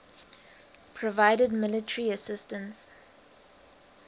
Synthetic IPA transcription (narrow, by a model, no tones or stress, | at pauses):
pʰɹɔvaɪdədmɪlɪtəɹiəsɪstə̃ns